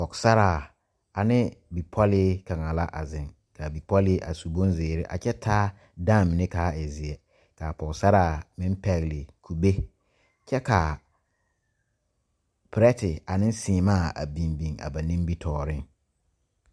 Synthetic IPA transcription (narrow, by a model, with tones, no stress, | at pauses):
pɔ˨ksa˦ɾaː˦˨ | a˨nɪ˦bi˨pʰɔ˦lɪ˦ka˨ŋa˨la˦ʔa˨zɪ̃˨ŋ | ka˨bi˨pɔ˦lɪ˦ʔa̰˨su˨bõ˦nzeː˨ɾɪ˦ʔa̰˨t͡ʃɛ˦tʰaː˦ | da˦˨mɪ˨ne˦kaː˨˦ɪ˨zɪ˨ɛ˨ | ka˨pɔ˨ksa˦ɾaː˨mɪ̃˦m˦pɛ˨ɣlɪ˨kʰu˨be˦ | t͡ʃɛ˦ka˨ | pɾɛ˦tɪ˨a˨nɪ̃˦n˦sɪː˨maː˦˨a̰˨bĩ˨mbĩ˨ŋa̰˨ba˨nĩ˦bi˦tʰɔː˨ɾɪ̃˦ŋ